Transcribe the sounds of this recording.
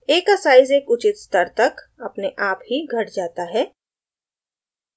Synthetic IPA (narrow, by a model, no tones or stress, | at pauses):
eːkɐsaːɪzeːkʊt͡ʃɪt̪st̪əɾt̪ɐk | ɐpneʔaːpɦiɡʱɐʈd͡ʒaːt̪aɦɛː